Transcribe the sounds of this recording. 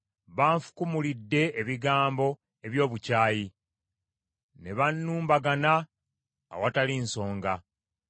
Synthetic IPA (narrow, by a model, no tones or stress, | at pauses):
βaːɱfu̥kumulidːe̞eβiɡaːmbo̞ | e̞βjo̞ːβucaːji | ne̞βanːuːmbaɡana̰ː | watalinso̞ːŋɡa